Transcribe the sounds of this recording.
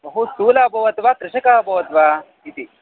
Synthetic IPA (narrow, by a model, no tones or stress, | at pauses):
ɦusuːlaːbʱɐʋɐt̪ʋat̪ɾɪʃɐkaːbʱɐʋɐt̪ʋa | it̪i